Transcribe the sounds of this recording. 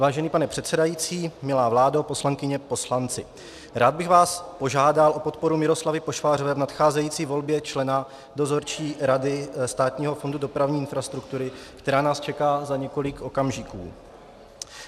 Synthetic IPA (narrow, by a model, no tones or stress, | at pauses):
vaːʒɛniːpanɛpr̥ɛt̪sɛdajiːt͡siːmɪlaːvlaːdapo̞slaŋkɪɲɛpo̞slant͡sɪ | ɾaːd̪̚bɪɣvaːspo̞ʒaːdalʔo̞pot̪̚po̞ɾumɪɾo̞slavɪpo̞ʃfaːr̝ovɛːvnat̪xaːzɛjiːt͡siːvo̞lbjɛt͡ʃlɛna | do̞zo̞ɾt͡ʃiːɾadɪst̪aːt̪ɲiːɦo̞fo̞ndudo̞pɾavɲiːɪnfɾast̪ɾukt̪uɾɪkt̪ɛɾaːnaːst͡ʃɛkaːzaɲɛko̞lɪko̞kamʒikṵː